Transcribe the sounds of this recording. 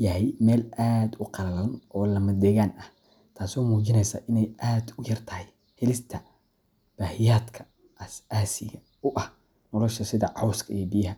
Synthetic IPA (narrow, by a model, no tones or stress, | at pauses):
jɐɦɛjmɛːlaːd̪ʊqɑlɐlɐnɔːlɐmɐd̪ɛɣaːnɐh | t̪ʰaːsɔːmuːt͡ʃɪnɛjsa̰ːʔɪnɛjʔaːd̪ʊjɐrt̪ʰɐhɛj | hɛlɪst̪ʰɐ | b̥aːhɪjaːd̪kʰɐ | ʔɐsaːsɪɣɐ | ʊʔɐh | nɔlɔʃɐsɪðɐʕɑwskʰɐijɔbɪjɐɦɐ